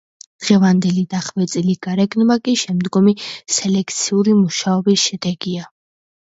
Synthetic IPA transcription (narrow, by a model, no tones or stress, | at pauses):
d̪̥ʁɛvand̪ɛlid̪aχvɛt̪sʼiliɡ̥aɾɛɡnmakʼiʃɛmd̪ɡɔmisɛlɛkʰt̪sʰiuɾimuʃaɔbisʃɛd̪ɛɡia